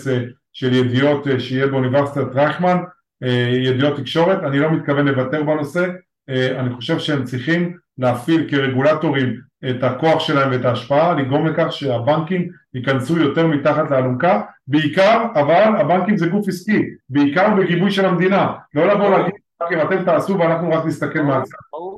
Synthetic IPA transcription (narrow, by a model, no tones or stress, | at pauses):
se | ʃe̞ljed̪ijo̞t̪eʃejebeuniveʁsi̥t̪at̪ʁajχman | ejed̪ijo̞t̪ːikʃo̞ʁe̞tanilo̞mit̪̚kavenle̞vate̞ʁbano̞se̞ | aniχo̞ʃe̞vʃeemt͡sʁiχim | leːfilkeʁe̞ɡulato̞ʁimet̪ako̞aχʃe̞laemveetaːʃpaaliɡʁo̞mlekaχʃe̞abaŋkim | ikansujo̞te̞ʁmit̪aχat̪lealumkabe̞ikaʁavalabaŋkimzeɡufiskibeikaʁbeɡibujʃe̞lamd̪inalo̞lavolaːɡid̪ | akemat̪emt̪aːsuveanaχnuʁaknist̪ake̞lmeat͡s